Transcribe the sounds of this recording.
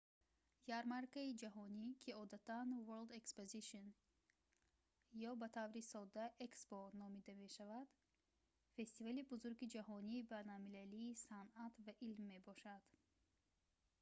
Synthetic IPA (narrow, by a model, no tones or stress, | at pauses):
jaɾmaɾkaid͡ʒaɦɔnikʰiɔd̪at̪ʰanvoɾld̪ekspoziʃɔn | jɔbat̪ʰavɾisɔd̪aʔeksbɔnɔmid̪ame̞ʃavad̪̥ | fe̞st̪ivalibuzuɾɡid͡ʒaɦɔniːbajnalmilæliːsanat̪vaʔilmːe̞bɔʃad̪̥